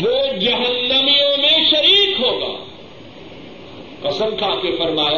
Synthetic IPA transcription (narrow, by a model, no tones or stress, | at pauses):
ʋod͡ʒɐɦənːɐmijõmẽʃɐɾiːkɦoːɡa̰ː | ɐsə̃nkʰaːkefɐɾmaːj